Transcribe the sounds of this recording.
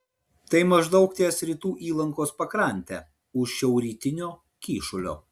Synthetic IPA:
t̪ɐɪmɐʒd̪ɒʊkt̪ʲiːɛsɾʲiːt̪uːʔiːlˠɐŋkoːspɐkɾɐˑnʲt̪ʲɛ̰ | ʊʃʃʲɛʊɾʲiːt̪ʲɪnʲoː | kʲiːʃʊlʲo̰ː

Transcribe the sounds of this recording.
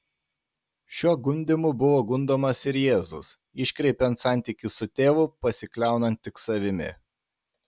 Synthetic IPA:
ʃʲuɔɡʊmʲd̪ʲɪmʊbʊʋoːɡʊnd̪oːmɐsɪɾjeːzʊ̰s | ɪʃʲkɾʲɛɪpʲɛnt̪sɑˑnʲt̪ʲiˑkʲɪsʊt̪ʲeːʋʊpɐsʲɪklʲæˑʊnɐnt̪ʲːɪksɐʋʲɪmʲɪ̰

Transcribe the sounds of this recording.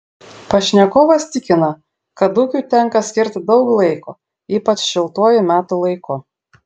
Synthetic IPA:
pɐʃʲnʲɛkɔːʋɐst̪ʲɪkʲɪnɐ | kɐd̪ʊkʲuːt̪ʲɛŋkɐsʲkʲɪɾʲt̪ʲd̪ɒʊklˠɐɪko | iːpɐt͡ʃʃʲɪlˠt̪uɔjʊmʲæːt̪ulˠɐɪkʊ

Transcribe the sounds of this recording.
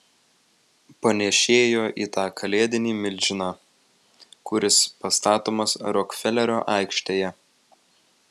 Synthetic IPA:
pɐnʲɛʃʲeːjoːʔḭːt̪ɑːkʰɐlʲeːd̪ʲɪnʲiːmʲɪlʲd͡ʒʲɪnɑː | kʊɾʲɪspɐst̪ɑːt̪oːmɐsɾɔkfʲɛlʲɛɾʲoːʔɑˑɪkʃʲt̪ʲeːjɛ

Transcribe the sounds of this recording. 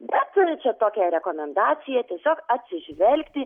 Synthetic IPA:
bʲɛt̪t͡ʃʲɛt̪oːkʲɛɾʲɛkoːmʲɛnd̪ɑːt̪sʲɪjɛt̪ʲiɛsʲoːkɐt̪ʲsʲɪʒʲʋʲɛlʲkt̪ʲɪ

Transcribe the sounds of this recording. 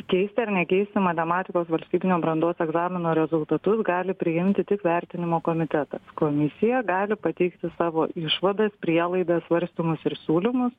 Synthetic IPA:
kʲɛɪsʲt̪ʲɪɐɾnʲɛkʲɛɪst̪ʲɪmɐt̪ʲɛmɑːt̪ʲɪkoːsʋɐlʲst̪ʲiːbʲɪnʲoːbɾɐnd̪oːsɛɡzɑːmʲɪnoːɾʲɛzʊlˠt̪ɐt̪ʊsɡɑːlʲɪpʲɾʲɪjɪmʲt̪ʲɪt̪ʲɪkʋʲæɾʲt̪ʲɪnʲɪmoːkoːmʲɪt̪ʲɛt̪ɐskoːmʲɪsʲɪjɛɡɑːlʲɪpɐt̪ʲɛɪkt̪ʲɪsɑːʋoːɪʃʋɐd̪ɐspʲɾʲiɛlˠɐɪd̪ɐssʋɐɾʲsʲt̪ʲomʊsɪɾsʲuːlʲɪmʊs

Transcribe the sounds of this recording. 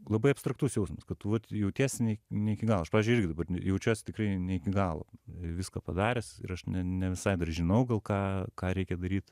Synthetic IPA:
lˠɐbɐɪɐpst̪ɾɐkt̪uːsjɛʊsʲnʲɪmɐskɐttʋɐt̪jɛʊt̪ʲiɛsʲnʲɛɪnʲɛɪkʲɪɡɑːlˠːɐʃpɑʋʲizʲd͡ʒʊɪɪɾɡʲɪd̪ɐbɐrjɛʊt͡ʃʲuːsʲt̪ʲɪkrɐɪnʲɛɪkʲɪɡɑːlˠo̰ːɪʋʲɪskɑpɐd̪ɑːɾʲɛsɪ̰ɾɐʃnʲɛnʲɛʋʲɪsɐɪd̪ɐrʒʲɪnɐʊɡɐlˠkɑːkɑːɾʲɛɪkʲɛd̪ɐɾʲiːt̪

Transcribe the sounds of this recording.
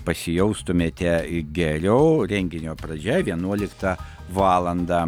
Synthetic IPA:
pɐsʲɪjɛʊst̪ʊmʲeːt̪ʲɛɡʲɛɾʲɛʊɾʲɛŋʲɡʲɪnʲoːpɾɐd͡ʒʲɛʋʲiɛnuɔlʲɪkt̪ɑ | ʋɑːlˠɐnd̪ɑː

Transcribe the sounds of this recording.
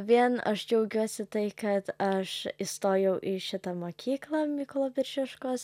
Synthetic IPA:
ʋʲiɛnɐ̰ʃd͡ʒʲɛʊɡʲuɔsʲɪt̪ɐɪkɐt̪ɐʃist̪oːjɛʊʔɪʃʲɪt̪ɐmoːkʲʰiːklˠɐmʲikolˠoːbʲɪɾʲʒʲɪʃkoːs

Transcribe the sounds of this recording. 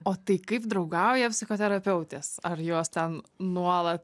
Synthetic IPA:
oːt̪ɐɪkɐɪp̚d̪ɾɐʊɡɐʊjɛpʲsʲɪxoːt̪ʲɛɾɐpʲɛʊt̪ʲeːsɐrjoɔːst̪ʲɛnnuɔlˠɐt̪̚

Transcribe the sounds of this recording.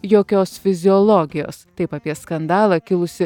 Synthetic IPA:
joːkʲoːsfʲɪzʲɪɔlˠoːɡʲɪjo̰ːst̪ɐɪpɐpʲiɛskɐnd̪ɑːlˠɑːkʲɪlˠʊsʲɪ

